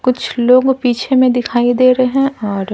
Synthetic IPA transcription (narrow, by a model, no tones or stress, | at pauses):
kʊt͡ʃʰloːɡpiːt͡ʃʰemẽd̪ɪkʰaːid̪eːɾeɦɛ̃ɔːɾ